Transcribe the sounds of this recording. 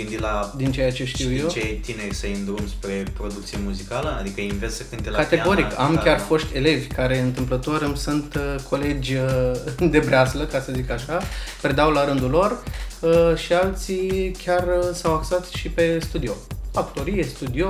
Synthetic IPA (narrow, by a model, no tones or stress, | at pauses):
ɨnd̪ilad̪int͡ʃejat͡ʃe̞ʃt̪iwjewet̪ineɾʲsəɨnd̪ɾumspɾe̞pɾo̞d̪uk̚t̪siemuzikaləa̰d̪ikəinvessəkɨnt̪elkat̪eɡo̞ɾikkamkʲarfo̞ʃt̪ʰʲe̞le̞vʲkaɾe̞ɨnt̪ɨmplət̪o̞ɾɨmsunt̪əkʰo̞le̞d͡ʒʲ | d̪e̞bɾeasləkasəzikaʃapɾed̪awlaɾɨnd̪ulo̞rəʃialt̪sikʲarsawaksat̪ʃipe̞st̪ud̪io̞akt̪o̞ɾijest̪ud̪io